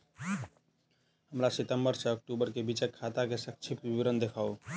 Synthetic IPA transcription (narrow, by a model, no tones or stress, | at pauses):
ɦəmɾasit̪əmbəɾsəːk̚ʈubəɾkebit͡ʃekʰːat̪akesək̚t͡ʃʰipiɾənd̪ekʰao